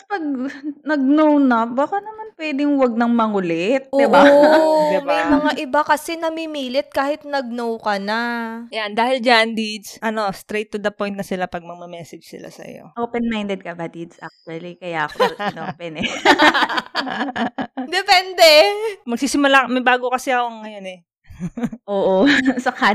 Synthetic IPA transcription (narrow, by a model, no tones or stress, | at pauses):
pɐɡ̚nɐɡ̚nownɐbaːkanɐmanpwɛːd̪ɪŋwɐɡ̚nɐŋmɐŋʊlɛt̪̚ʔd̪ɪb | d̪ɪmɐjmɐŋaʔɪbakɐsɛnɐmimiːlɪt̪̚kaːhɪt̪̚nɐɡ̚nowkɐnajand̪aːhɪld͡ʒand̪id͡ʒʔɐno̞st̪ɾɛjt̪ːʊd̪ɐpo̞jnt̪̚nɐsɪlapɐɡ̚mɐɡmɐmɛːsɛd͡ʒsɪ̰la̰sɐ̰jo̞̰ʔopɛnmajnd̪ɛd̪̚kɐbɐt̪id̪sʔa̰k̚t͡ʃuɐlikɐjaʔɐkonopɛnɛ | d̪ɛpɛnd̪ɛmɐɡ̚siːsɪmʊlamɐjbaːɡokɐsɛʔɐkoŋːɐjo̞nɛ | ʔoːʔosɐka